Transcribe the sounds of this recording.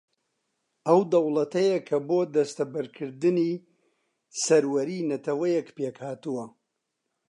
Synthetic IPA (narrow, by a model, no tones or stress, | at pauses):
ɐwd̪ɐwlˠɐt̪ʰɐjɐkʰɐboːd̪ɐst̪ɐbɨɾkʰɨɾd̪ɨniː | sɐɾwɐɾiːnɐt̪ʰɐwɐjɛkpekhaːt̪ɨwɐ